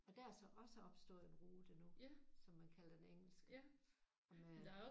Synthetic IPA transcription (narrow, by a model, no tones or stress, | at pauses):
ɒ̽d̥æɐsɒ̽ʔɒ̽səɒ̽b̥sd̥o̝̰ð̩ˠenʁoːd̥enusɒ̽mːænkʰæl̰ɐ̥eneŋ̰l̩sɡ̥ | ɒ̽mæ̥